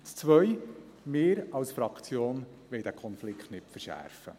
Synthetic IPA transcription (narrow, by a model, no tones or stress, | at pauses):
t͡st͡sʋœj | mɪːɾɑlsfɾɑkt͡sjoːn | ʋɛɪdækʰɔnflɪkχtnɪtfəɾʃæ̰ɾfə̰